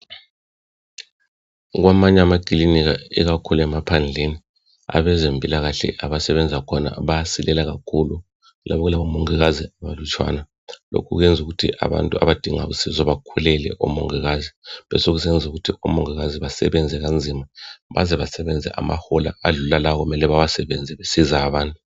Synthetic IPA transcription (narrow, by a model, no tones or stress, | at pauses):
ɣwamaɲamaɡ̥ʼiliniɣaḭɣakʰuluɛmapʰand͡ɮʱeni | a̰βɛzempʼilaɣaɬɛ̰ʔaβasɛβɛnd͡zʱakʰɔna̰βajasilɛlaɣakʰulu | lʔa̰βɔɣulaumoŋiɣaziaβalut͡ʃʼwa̰ːna | lo̰kʰuɣujɛnd͡zʱuɣutʰiʔa̰βa̰ntʼua̰βad̥ʱiŋa̰ɣusizɔβakʰulɛlɛ̰ʔṵmṵŋiɣaziβɛ̰soɣusɛnd͡zʱuɣutʰiumɔŋiɣaziβasɛβɛnd͡zʱɛɣand͡zʱimaβazɛβasɛβɛnd͡zʱɛ̰ʔa̰ma̰hɔla̰ːɮulalaɣumɛlɛβaβasɛβɛnd͡zʱɛβesizaːβaːntʼu